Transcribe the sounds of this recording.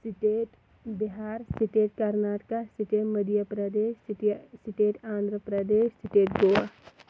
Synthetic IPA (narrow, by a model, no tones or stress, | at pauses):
sɪʈeːʈ | bɪɦaːɾsɪʈeːʈ̚kɐɾnaːʈkasɪʈeʈməd̪ʱjəpɾəd̪eːʃsɪʈeːʈãːnd̪ʱɾəpɾəd̪eːʃsɪʈeːʈɡoa